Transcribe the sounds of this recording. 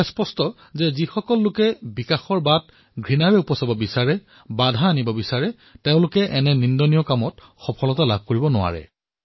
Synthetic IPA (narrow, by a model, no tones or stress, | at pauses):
spɔstɔ | zɛzixɔkɔlːʊkɛbikaxɔɹbat̚ | ɡʱɹinaɹɛupɔsabɔbisaɹɛ | badʱaːnibɔbisaɹɛ | tẽʊ̃lʊkɛʔɛnɛnindɔnijɔkamɔt | xɔpʰɔlɔtalab̚ʱkoɹibɔnʊwa̰ɹɛ̰